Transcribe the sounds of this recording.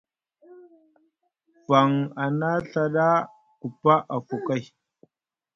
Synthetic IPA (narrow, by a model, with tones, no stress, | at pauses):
va˨ŋa˨na˦ɬa˨ɗa˦ | ku˨pa˦ʔa˨fu˨ka˦˨j